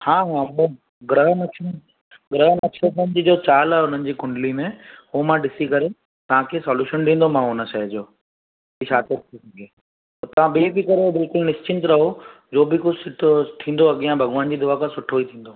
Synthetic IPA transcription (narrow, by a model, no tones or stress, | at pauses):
hãːɦãbə | ɡɾəɦmɐə | ɡɾəɦmɐt͡ʃʰət̪ənd͡ʑiːd͡ʑoːt͡ɕaːlaʊn̤ənɪ̆d͡ʑiːkʊɳɖlimẽuɦmãɖɪsikɐɾe | t̪ɐʋ̤ãkʰesɔːljuːʃənɖĩːnd̪omãʊnəʃɐd͡ʑoː | biʃaːt̪eɾt̪ʰisɐɡe | t̪ot̪ɐʋ̤ãbebikɐɾebɪlkʊlnɪst͡ɕɪ̃nt̪ɾɐɦo | d͡ʑoːbɪkʊd͡ʑʱsɪʈt̪ʰĩːn̆d̪oɐɠijãbʱɐɠʋaːnd͡ʑiːd̪ʊakãsʊʈʰoit̪ʰĩːnd̪oː